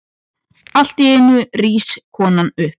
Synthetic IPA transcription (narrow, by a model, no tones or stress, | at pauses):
al̥t̪ɪɛnʏriːskʰɔːnanʏhp